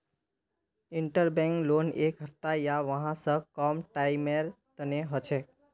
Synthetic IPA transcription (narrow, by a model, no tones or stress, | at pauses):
iɳʈəɾbɛ̃ŋklonekɦəpt̪ajaʋəɦãsə̃kɔmʈaɪmeɾ | t̪əneɦət͡ʃʰɛ